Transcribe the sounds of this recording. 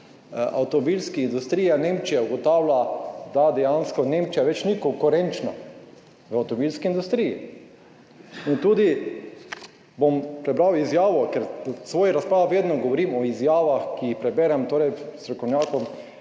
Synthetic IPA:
a̰wt̪ɔmɔbilskiind̪ust̪ɾiːjaneːmt͡ʃijauɡɔt̪awlad̪ad̪ɛjanskɔneːmt͡ʃijaʋɛt͡ʃnikɔŋkʊɾɛnt͡ʃnɔ | ʋawt̪ɔmɔbilskiːnd̪ust̪ɾiːjḭ | int̪uːd̪i | bompɾɛbɾawizjaːʋɔkɛɾsʋoːjiɾaspɾaːʋʋeːd̪nɔɡɔʋɔɾiːmɔizjaːʋaxkiixpɾɛbɛɾɛmt̪oːɾɛjst̪ɾɔkɔwnjaːkɔm

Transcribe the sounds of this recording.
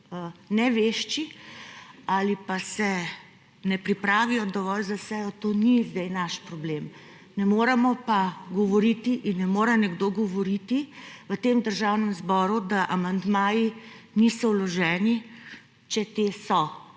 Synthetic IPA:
nɛʋeʃt͡ʃi | alipasɛ | nɛpɾipɾaːʋijɔd̪ɔʋɔlzasɛjɔt̪oːnizd̪ɛjnaʃpɾɔblem | nɛmoːɾɛmɔpaɡɔʋɔɾit̪iʔinːɛmoːɾɛnɛɡd̪oːɡɔʋɔɾit̪iʋət̪eːmd̪əɾʒawnɛmzbɔːɾud̪aʔamand̪maːji | nisɔwlɔʒɛːni | t͡ʃɛt̪eːsɔ

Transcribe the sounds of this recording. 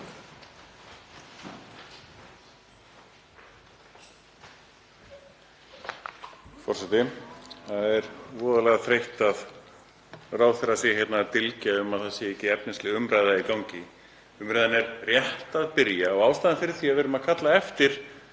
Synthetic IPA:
fɔr̥sɛt̪ɪθaðɛɾvɔːðalɛɣaθɾejht̪að | raːwθɛɾaseːjaçjɛt̪naːt̪ɪlcaʏmaðθaðsɪecːɪɛpnɪnslɛɣʏmɾajðaikawɲcɪ | ʏmɾajðanɛɾrjɛht̪aðpɪɾjaɔɣaːwst̪aːðanfɪɾɪ̥θiaðvɪːɾʏmaðkʰat̪laɛft̪ɪɾ̥

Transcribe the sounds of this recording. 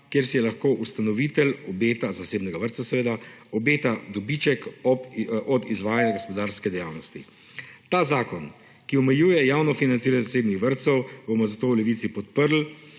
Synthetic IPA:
kjeːɾsijɛlaxkoːʔust̪anɔʋit̪ɛlɔbeːt̪azaseːbnɛɡaʋəɾt̪sasɛʋeːd̪aɔbeːt̪ad̪ɔbit͡ʃɛkɔʔɔd̪izʋaːjanjaɡospɔd̪aːɾskɛd̪ɛjawnɔst̪i | t̪aːzaːkɔn | kiɔmɛjuːjɛjawnɔfinansiːɾanɛzaseːbnixʋəɾt̪sɛwbɔmɔzat̪oːwlɛʋit̪sipɔt̪̚pəɾl̩

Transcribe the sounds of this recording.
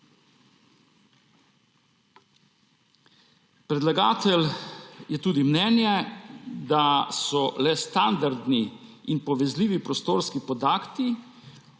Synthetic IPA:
pɾɛd̪laɡaːt̪ɛljɛt̪uːd̪imnɛːnjɛd̪asɔlɛst̪and̪aɾd̪niinpɔʋɛzliːʋipɾɔst̪oːɾskipɔd̪aːkt̪i

